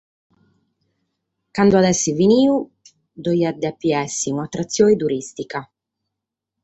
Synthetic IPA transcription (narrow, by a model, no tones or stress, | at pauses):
kand̪oad̪ɛsːiviniːu | d̪ɔjad̪ːeapːiɛsːiunat̪ːɾat̪sːjoːid̪uɾist̪ika